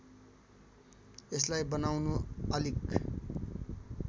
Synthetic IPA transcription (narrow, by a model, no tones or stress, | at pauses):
eslajbʌnawnuʌlik